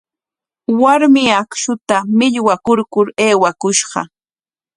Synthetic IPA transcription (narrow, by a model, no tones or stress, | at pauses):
waɾmɪakʃʊt̪amɪʎwakʊɾkʊɾeːwakʊʃɢɑ̰